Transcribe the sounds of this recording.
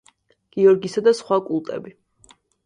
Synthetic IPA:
ɡ̥iɔɾɡisad̪asχwakʼulˠt̪ʼɛ̰bi

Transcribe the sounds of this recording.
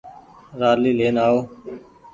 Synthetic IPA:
ɾaːliːleːnaːoː

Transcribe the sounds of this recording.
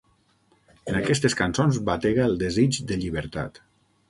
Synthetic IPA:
ənakɛst̪eskansonzbat̪eɣəːlˠd̪ezid͡ʒd̪əʎiβəɾt̪a̰t̪

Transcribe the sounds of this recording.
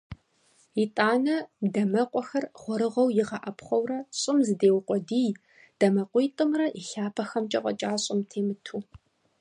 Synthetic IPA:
itʼaːnɐdɐmɐqʷʼɔxɐrʁʷɔɾɨʁɐwjɪʁɐʔɐpχʷɐwrɐɕʼɪmzɨdeːwqʷʼɔdiːj | d̥ɐmɐqʷiːtʼɨmrɐʔiɬaːpʰɐxɐmt͡ʃʼɐqʷʼɔ̰t͡ʃʼaːɕʼɪmtʰeːmɨtʰuː

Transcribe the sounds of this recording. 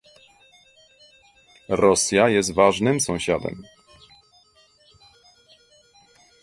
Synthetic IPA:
ɾɔsʲjajɛs̬t̪vaʐnɘmsɔ̃w̃ɕad̪ɛ̰m

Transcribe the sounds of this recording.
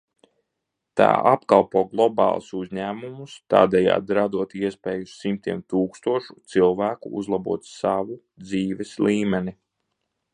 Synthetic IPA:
t̪a̰ːʔapkalˠpuːɡlˠɔbɑ̰ːlˠsuzʲɲæːmumust̪a̰ːd̪ɛja̰ːd̪ɾad̪uɔt̪iɛspɛːjusːimt̪iɛmt̪uːkst̪uɔʃut̪silˠvæːkṵṵzlˠabṵɔt̪saʋu | d̪ziːʋɛsliːmɛni

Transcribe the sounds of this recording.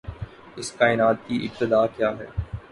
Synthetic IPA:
ɪskaːɪnaːt̪̚kiʔɪb̚t̪ɪd̪aːkjaːɦɛ̰ː

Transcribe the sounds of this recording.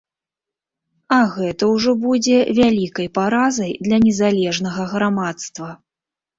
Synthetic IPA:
ɐɣɛt̪ɐwʐɔbud͡zʲɛvʲalʲikɐjpaɾazɐjd̪lʲɐnʲɛzalʲɛʐnɐɣɐɣɾamat̪st̪vɐ

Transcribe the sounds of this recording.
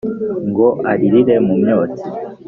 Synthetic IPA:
ŋɡoaɾiɾiɾemumjoːt͡si

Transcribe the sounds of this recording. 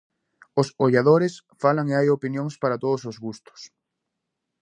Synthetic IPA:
ʊsoʎaðoɾɪs | falaŋeajopinjoŋspaɾat̪oðʊsozɣust̪ʊ̥s

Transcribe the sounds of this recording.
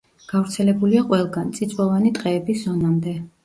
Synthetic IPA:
ɡ̥avɾt̪sʰɛlɛbuliaqʼwɛlˠɡant̪sʼit̪sʼwɔvanit̪ʼqʼɛːbiszɔnamd̪ɛ

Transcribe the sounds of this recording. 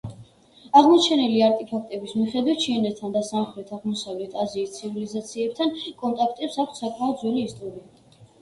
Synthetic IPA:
aʁmɔt͡ʃʰɛnɛliaɾt̪ʼɛpʰak̚ʰt̪ʼɛbismiχɛd̪wit̪̚t͡ʃʰiɛnɛt̪t̪ʰːand̪asamχlɛt̪ʰaʁmɔsavlɛt̪ʰaziːst̪sʰivilizat̪sʰiɛp̚t̪ʰankʼɔnt̪ʼakʰt̪ʼɛpsak̚ʷʰt̪sakʼmaɔd̪zwɛliːst̪ʼɔɾia

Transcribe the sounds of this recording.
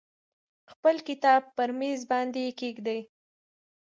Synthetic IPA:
xpəlkɪt̪ɑb̚pəɾmezbɑnd̪ekeɡd̪aj

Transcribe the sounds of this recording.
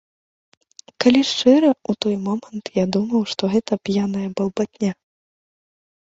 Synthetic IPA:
kalʲiʂt͡ʂɛɾɐut̪ɔjmɔmɐnt̪jad̪umɐwʂt̪ɔɣɛt̪ɐpʲjanɐjɐbɐlˠbat̪ʲnʲa

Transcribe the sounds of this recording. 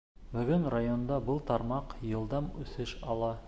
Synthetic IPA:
bɵ̆ɡɵnrajo̞nd̪ɑbɤlˠt̪ɑɾmɑqjɤ̆lˠd̪ɑmʉ̰θɘʃɑlˠɑ

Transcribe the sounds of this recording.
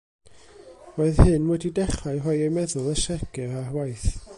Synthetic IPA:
roɨðhɨnmwɛdidɛχaɨɦɔɨejmɛðʊlˠəʃɛɡ̥ɨrarwajθ

